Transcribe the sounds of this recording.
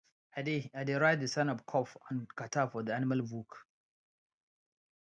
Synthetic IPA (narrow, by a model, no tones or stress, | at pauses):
ʔadeadeɾaɪd̚d̪əsanɔkʰɔfãnkatafɔd̪ianɪmɐlbuk